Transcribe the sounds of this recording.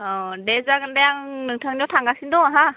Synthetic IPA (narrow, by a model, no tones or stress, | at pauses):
ɔdezaɡɯndajaŋnɯŋtʰaŋniɔwtʰaŋɡasindɔɦa